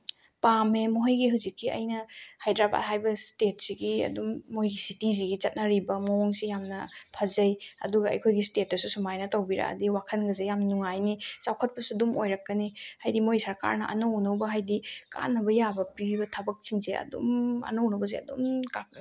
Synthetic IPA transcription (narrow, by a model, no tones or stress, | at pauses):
pamemoɦɐjɡiɦuwzikːiʔɐ̰jnɐhajdɾaba̰thajbɐstet̚siɡiɐ̰dumːojɡisitiziɡit͡ʃɐt̚nɐɾibɐmooŋsijamnɐpʰɐzɐjɐ̰duɡɐɐ̰jkʰojɡistet̚ːɐsusumajnɐtawbiɾa̰ɐ̰diwakʰɐnɡɐzejamnuŋajnisawkʰɐt̚pɐsuɐdumojɾɐkːɐnihajdimojsɐɾka̰ɾnɐʔɐ̰nownɐwbɐɦajdika̰nːɐbɐjabɐpiwibɐtʰɐbɐk̚t͡ʃiŋzeɐ̰dṵmɐ̰nownɐwbɐzḛɐ̰dumkak̚